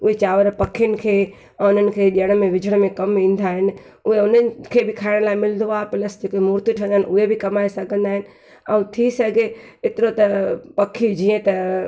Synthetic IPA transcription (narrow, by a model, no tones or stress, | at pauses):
ʊɦet͡ɕaːʋəɾpɐkʰijənɪ̆kʰẽː | ʊn̤ənɪ̆kʰeːɗiəɽ̃̆mẽʋɪd͡ʑʱəɽ̃mẽkɐmĩːn̆d̪aːɦɪnɪ̆ | ʊɦeʊnənkʰeːbɪkʰaːɪɽ̃laːɪmɪld̪oaːpɪləsd͡ʑɪkemuːɾt̪iʈʰə̃nd̪aɦɪnʊɦebʱɪkɐmaːesɐɡʱə̃nd̪aːɦɪnɪ̆ | ɛ̃ːt̪ʰisɐɡʱeɪt̪ɪɾot̪ɐpɐkʰid͡ʑiːə̃t̪ɐ